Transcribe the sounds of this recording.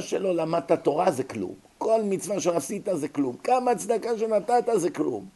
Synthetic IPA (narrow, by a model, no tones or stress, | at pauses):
ʃelolamat̪at̪o̞ʁazeklṵm | ko̞lmit͡svaʃeasit̪azeklumkamat͡sd̪akaʃenat̪at̪azeklṵm